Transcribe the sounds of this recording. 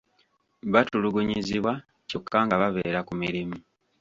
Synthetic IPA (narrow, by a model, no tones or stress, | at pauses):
βatuluɡuɲiziβwa | co̞kːaŋɡaβaβḛːɾakumiɾimu